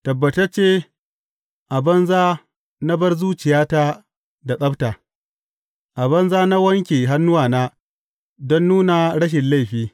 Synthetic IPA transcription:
tɐ˨bːɐ˨tɐ˦t͡ʃeː˦ | ʔa˨bɐ˦nzaː˦ | na˦bɐ˦rzuː˦t͡ʃɪ˨jaː˦ta˦ | da˨ɗʼɐ˦btaː˨ | ʔa˨bɐ˦nzaː˦na˦wɐ˦ŋkʲeː˨ɦa˦nːʊ˦waː˨naː˦ | dɔ˦nːuː˦na˨ɽɐ˦ʃ̬ɪ˨nla˦˨ɸiː˦

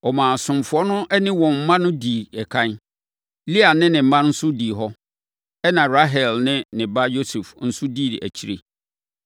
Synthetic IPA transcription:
ɔ˨mãː˨sʊ̃˨m˨fʊ˨˦ɔ˦nʊ̃˦ʔɛ˦nɪ̃˦wɔ̃˨m̩˦mã˦nʊ̃˦di˨ɛ˨kʰã˦n˦ | li˦a˨nɪ̃˦nɪ̃˨m̩˨mã˦n̩˦sʊ˦di˨ɦɔ˦ | ɛ˦nã˨ɾa˦ɦɛ˨lnɪ̃˦nɪ̃˨ba˦jo˦sɛ˨fn̩˦sʊ˦di˦˨dɪ̰˨ʔæ̰˨t͡ɕʰi˦ɾḛ˨

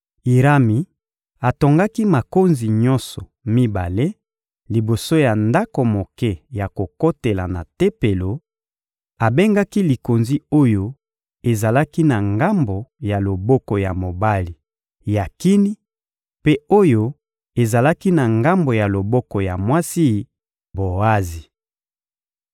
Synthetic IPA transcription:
i˨ʁa˦mi˨ | a˨to˨ŋɡa˦ki˦ma˨ko˦nzi˨ɲɔ̃˦nsɔ˨ | mi˦ba̰˨le˦ | li˨bo˨so˦ja˨nda˦ko˨mo˨kɛ˦ja˨ko˨ko˦te˨la̰˨na̰˨te˦pe˨lo˨ | a˨be˦ŋɡa˦ki˦li˨ko˨nzi˦o˦jo˦ | e˨za˨la˦ki˦na˨ŋɡa˦mbo˨ja˨lo˨bɔ˦kɔ˨ja˨mo˨ba˦li˨ | ja˨ki˦ni˦ | pe˦o˦jo˦ | e˨za˨la˦ki˦na˨ŋɡa˦mbo˨ja˨lo˨bɔ˦kɔ˨ja̰˨mwa˦si˦ | bo˨a˦zi˨

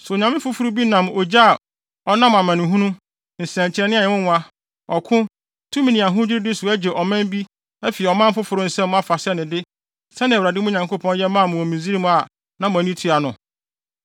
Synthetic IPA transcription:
sʊ˨ɲã˨mɪ̃˦fʊ˦fʊ˨ɾu˦bi˦nã˨mo˨d͡ʑa˦˨ | ɔ˦nã˦m˨a˨mã˨nɪ̃˨ɦũ˦nũ˦ | n̩˨sɛ̃˨ɲ˨t͡ɕʰɪ˨ɾɛ˦nɪ̃˦a˨ɛ˨wʊ̃˦n˨˦a˦ | ɔ˨kʰʊ̃˦ | tʰũ˦mĩ˨nĩ˨a˨ɦʊ̃˦d͡ʑɪ˦ɾɪ˦dɪ˦sʊ˨æ˦d͡ʑe˨ʔɔ˨mæ̃˦m˦bi˦ | ɛ˦fi˨ɛ˨ɔ˨mã˦m˦fʊ˦fʊ˨ɾʊ˦n̩˨sɛ̃˦mʊ̃˦a˦fa˨sɛ˦nɪ̃˨dɪ˦ | sɛ˦nɪ̃˨wɾa˨dɪ˦mʊ̃˦˨ɲã˨ŋko˦pʰɔ̃˦n˦jɛ˦mãː˦˨mʊ̃˨ɔ˨mĩ˨zi˦ɾi˦m̃˦a˨ | nã˦mʊ̃˨æ˨nĩ˦tʰu˦a˨nʊ̃˨

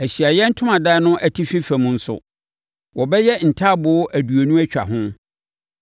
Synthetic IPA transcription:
æ˨ɕɥi˨a˨jɛ˦n̩˦tʰʊ˦mã˨da˦nʊ̃˦ʔæ˨tʰi˦fi˦fæ˨mũ˨˦n̩˦sʊ̰˨ | wɔ˨bɛ˦jɛ˦n̩˨tʰa˦bʊ˨˦ʔæ˨du˨o˨nũ˦æ˦t͡ɕᶣa̰˨ɦʊ̃˦

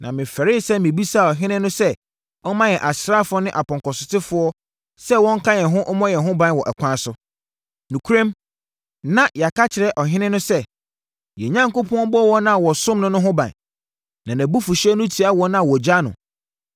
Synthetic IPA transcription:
nʔã˨mɪ̃˨fɛ˨ɾɪ˦sɛ˦mɪ̃˨bi˦sa˦˨ɔ˨ɦɪ̃˦nɪ̃˦nʊ̃˦sɛ˦ | ɔ˦mã˦jɛ˨ʔa˨sɾa˦fʊ˨ɔ˦nɪ̃˦ʔa˨pɔ̃˨kɔ˨sʊ˨tɪ˦fʊ˦ɔ˦ | sɛ˦wɔ̃˦ŋ̩˦kʰã˦jɛ˨ɦʊ̃˦ʔɔ˦mɔ̃˦jɛ˨ɦʊ̃˦bã˨n˨wɔ˨ʔɛ˨kʷʰã˦sʊ˦ | nĩ˨kʰu˦ɾẽ˦m | nã˨ja˨ka˦t͡ɕʰɪ˨ɾɛ˨˦ʔɔ˨ɦɪ̃˦nɪ̃˦nʊ̃˦sɛ˦ | jɛ˨ɲã˦ŋko˦pʰɔ̃˦bɔ˦wɔ˦nã˦˨wɔ˨sʊ̃˦mnʊ̃˦nʊ̃˦ɦʊ̃˦bã̰˨n | nã˨næ̃˨bu˦fʊ˨ɕɛ˦nʊ̃˦tʰi˨˦a˦wɔ̃˦nã˦˨wɔ˨d͡ʑa˦nʊ̰̃˨

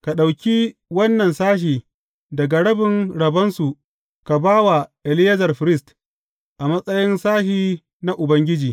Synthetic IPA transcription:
ka˨ɗa˨wkʲi˦wɐ˦nːɐ˨nsaː˦ʃ̬iː˨ | dɐ˨ɡa˨ɽɐ˦bɪ˨ŋɽɐ˨bɐ˦nsu˨ | ka˨baː˦wa˨ʔɛ˨lɪ˦jɐ˦zɐ˨rɸɪ˨ɾɪ˦˨st | ʔa˨mɐ˦sʼɐ˦jɪ˦nsaː˦ʃiː˦ | na˦ʔʊ˨bɐ˦ŋɡʲɪ˦d͡ʒiː˨

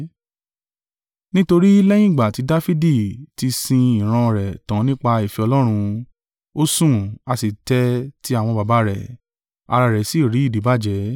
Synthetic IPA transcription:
nĩ˦to˧ɾi˦lɛ˦j̃ĩ˦˨ɡ͡ba˨ti˨˧˦da˦fi˦di˦˨ti˧sĩ˧i˨ɾ̃ã˧˨ɾɛ˨tã˨˦nĩ˦k͡pa˧i˨fi˧ɔ˧lɔ˦ɾ̃ũ˧ | o˦sũ˦a˧si˨tɛ˦ti˦a˦˨w̃ɔ̃˧ba˨ba˨˦ɾɛ˨ | a̰˧ɾa˧˨ɾɛ˨si˨˦˨ɾi˨˦i˦˨di˨˦ba˦d͡ʒɛ˨˦

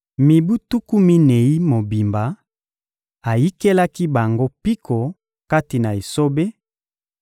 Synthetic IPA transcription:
mi˨bu˦tu˦ku˦mi˦ne˨ji˦mo˨bi˨mba˨ | a˨ji˦ke˦la˦ki˦ba˨ŋɡo˦pi˦kʰo˨ | ka˦ti˨na˨e˨so˦be˦

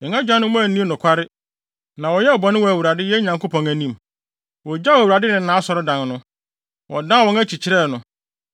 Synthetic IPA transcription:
ɛ˨ŋã˦d͡ʑᶣã˦nʊ̃˦mʊ̃˦æ˨nĩ˦nʊ̃˨kʷʰa˦ɾɪ˦ | nã˨wɔ˨jɛ˦ɔ˨bɔ˨nɪ̃˦wɔ˨æ˨wu˨ɾa˨dɪ˦jɛ˦ɲã˨ŋkʰo˦pʰɔ̃˨ŋæ˨nĩ˦˨m | wɔ˨d͡ʑa˦wæ˨u˨ɾa˨dɪ˦nɪ̃˨n̩˦nã˦sɔ˨ɾɔ˦dã˨nnʊ̃˦ | wʔɔ̰˨dã˦˨wɔ̃˨ŋæ˦t͡ɕʰi˨t͡ɕʰɪ˦ɾɛ˦˨nʊ̃˨

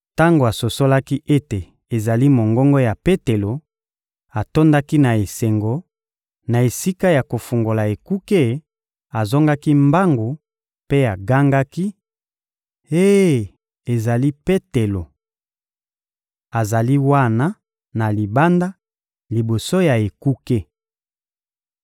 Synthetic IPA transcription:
ta˦ŋɡo˨a˨so˨so˦la˦ki˦ʔe˦te˨ | e˨za˨li˦mo˨ŋɡɔ˦ŋɡo˦ja˨pe˦te˨lo˨ | a˨to˦nda˦ki˦na˨e˨se˨ŋɡo˨ | na˨e˨si˦ka˦ja˨ko˨fu˨ŋɡo˨la˨e˨ku˦ke˦˨ | a˨zɔ˦ŋɡa˦ki˦mba˦ŋɡo˨ | pe˦a˨ɡa˦ŋɡa˦ki˦ | e˦ | e˨za˨li˦pe˦te˨lo˨ | a˨za˨li˦wa˦na˦ | na˨li˨ba˦nda˦ | li˨bo˨so˦ja˨e˨ku˦ke˦

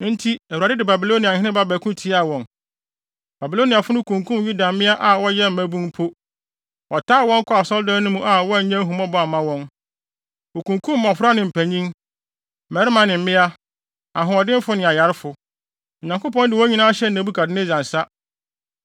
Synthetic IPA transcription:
n̩˦tʰi˦æ˨wu˨a˨dɪ˦dɪ˨ba˨bi˨lo˦nĩ˨a˨hɪ̃˦ɪ̃˦ba˦bæː˨kʰũ˦tʰi˦a˨wɔ̃˨n | b̥a˨bi˨lo˦nĩ˨a˨fʊ˦nʊ̃˦kʰũ˨ŋkʰũ˦mju˦da˨˦mɪ̃˦a˦ʔa˨wɔ˦jɛ˦m̩˨mæ̃˦bũ˦npʰo˦ | ɔ˨tʰaː˦˨wɔ̃˦ŋ˦kʰʊ˦a˨sɔ˦ldã˦nʊ̃˦mũ˦ʔa˨wɔ˦˨ɲã˦ɦũ˨mɔ̃˦bɔ˦a˨mã˦wɔ̃˦n | o˨kũ˨ŋkʰũ˦mː˦ɔ̃˨fɾa˦nɪ̃˨m̩˨pʰæ̃˨ɲĩ˦ŋ | mɛ˨˦ɾɪ˦mã˨nɪ̃˨m̩˦mɪ̃˦a˦ | ã˨ɦʊ̃˨ɔ˨dɪ̃˦m˦fʊ˦nɪ̃˨a˨ja˨ɾɪ˦fʊ˨ | ɔ˨ɲã˨ŋkʊ˦pɔ̃˦ndɪ˨wɔ˦ɲĩ˦nã˦ɕɛ˦n̩ː˨ã˨˦bu˦kʰa˨dɪ˦nɪ̃˦d͡ʑã˨n˨sa˦

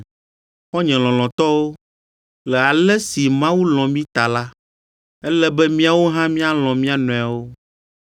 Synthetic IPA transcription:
xɔ˦ɲɛ̃˨lɔ̃˨lɔ̃˨t̪ɔ˦wo˦ | lɛ˨a˨lɛ˦si˨mã˦wu˦lɔ̃˨mĩ˦t̪a˨la˦ | ɛ˦lɛ˦bɛ˦mĩ˦a˨wo˦ɦã˦mĩ˦a˦lɔ̃˨mĩ˦a˦nɔ̃˨a˨wo˦

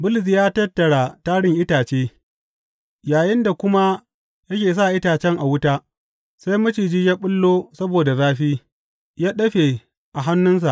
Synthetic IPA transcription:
bʊ˦lɪ˨s̬i˨jaː˦tɐ˦tːɐ˨ɽa˨taː˦ɽɪ˦ŋʔɪ˦taː˨t͡ʃeː˦ | jaː˨jɪ˦nda˨kʷʊ˦ma˦ | jɐ˦kʲeː˨s̬a˦˨ʔɪ˦taː˨t͡ʃɛ˦ŋʔa˨wʊ˦ta˦ | sa˦jmʊ˦t͡ʃiː˨d͡ʒiː˦ja˦ɓʊ˦lːoː˦sɐ˦boː˨da˨zaː˦ɸiː˦ | jaː˦ɗɐ˦ɸeː˨ | ʔa˨ɦa˦nːʊ˦ns̬a˨ʔ

